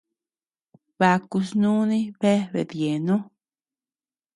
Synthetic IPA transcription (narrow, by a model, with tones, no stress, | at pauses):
βa˧ku˧snũ˦nĩ˦βe˦βḛ˧˨ðje˨nõ˦